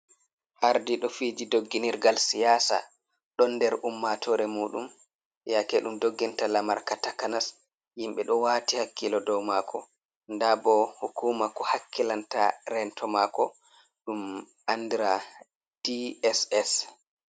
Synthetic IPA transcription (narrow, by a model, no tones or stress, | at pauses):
ʔaɾdiɗɔfiːd͡ʒidoɡːiniɾɡalsijasa̰ | ɗɔnːdɛɾʔumːatʰɔɾɛmuːɗṵm | jakɛɗumdoɡːɛntalamaɾkatakanas | jimɓɛɗɔwatihakːilɔdɔwmakʰɔ̰ | ndabɔhukuːmakɔhakʰːilanta̰ɾɛntʰɔmakɔ | ɗum | ʔandiɾa | d̥iɛsɛs